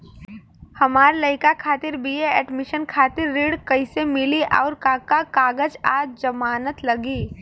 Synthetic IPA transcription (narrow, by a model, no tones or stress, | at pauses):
hɐmaːɾlɐɦɪkakʰaːt̪ɪɾbieɛːɖmɪʃənkʰaːt̪ɪɾːiːɽkɐɪsemɪliʔɔ̰ːɾkakakaːɡəd͡ʒaːd͡ʒd͡ʒɐmaːnət̪lɐɡiː